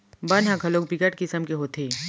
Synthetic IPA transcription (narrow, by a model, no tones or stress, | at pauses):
bɐnɦɐ̃kʰɐloːk̚bɪkəʈkɪsəmkeɦoːt̪ʰeː